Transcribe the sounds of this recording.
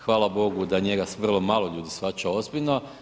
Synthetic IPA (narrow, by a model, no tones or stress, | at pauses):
xʋaːlabo̞ɡud̪aɲeɡasʋr̩lˠomaːlˠo̞ʎuːd̪isfat͡ʃao̞zbiʎno